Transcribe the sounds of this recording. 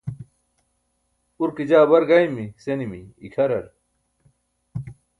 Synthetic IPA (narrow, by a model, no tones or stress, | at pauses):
uɾkid͡ʑaːbɐɾɡajmisenimḭːkʰɐɾɐɾ